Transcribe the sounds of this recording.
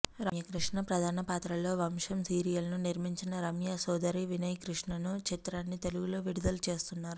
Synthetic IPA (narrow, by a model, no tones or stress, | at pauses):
ɾɐmjɐkɾiʂɳɐpɾɐd̪ʱaːnɐpaːt̪ɾɐlo̞ːʋɐmʂɐmsiːɾijɐlnuniɾmiɲt͡ʃinɐɾɐmjasɔːd̪ɐɾiʋinɐjkɾiʂɳɐnut͡ʃit̪ɾaːnːit̪eluɡulo̞ːʋiɽud̪ɐlut͡ʃe̞ːst̪unːaːɾu